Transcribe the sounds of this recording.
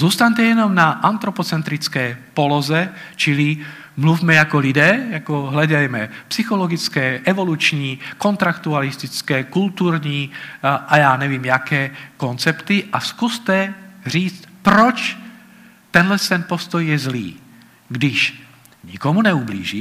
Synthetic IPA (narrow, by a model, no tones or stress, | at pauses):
zuːst̪aɲt̪ɛjɛnɔmnaʔant̪ɾɔpɔt͡sɛnt̪ɾit͡skɛːpɔlɔzɛ | t͡ʃili | mluvmɛjakɔlid̪ɛːjakɔɦlɛd̪ajmɛpsixɔlɔɡit͡skɛːʔɛvolut͡ʃɲiːkɔnt̪ɾakt̪ualist̪it͡skɛːkult̪uːɾɲiːʔajaːɲɛviːmjakɛːkɔnt͡sɛpt̪iʔaskust̪ɛr̝iːt͡stpɾɔt͡ʃ | t̪ɛnlɛst̪ɛnpɔst̪ɔjjɛzlḭː | ɡd̪iʃ | ɲḭkɔmunɛublḭːʒi